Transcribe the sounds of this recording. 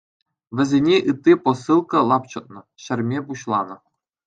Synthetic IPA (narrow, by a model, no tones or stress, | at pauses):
ʋʲɘ̆zʲenʲeʔɯt̪ʲːiposɯlˠkɤ̆lˠɑpt͡ɕɤ̆t̪̚nɤ̆ɕɘ̆rʲmʲepuɕlˠɑnɤ̆